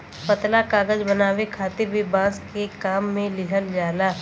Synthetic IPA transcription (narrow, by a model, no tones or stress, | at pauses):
pət̪lakaːɡəd͡ʒbɐnaːʋekʰaːt̪ɪɾbɪbãːskekaːmːẽlɪɦəld͡ʒaːlaː